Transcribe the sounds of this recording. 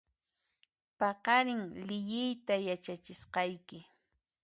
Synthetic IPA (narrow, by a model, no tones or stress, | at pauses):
pɑqɑɾɪŋlɪjɪjt̪ajat͡ʃat͡ʃɪsqɑjkɪ